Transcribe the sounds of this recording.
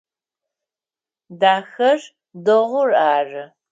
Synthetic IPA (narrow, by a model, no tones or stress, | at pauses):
daːxɐr | dɨʁʷʊraːrɨ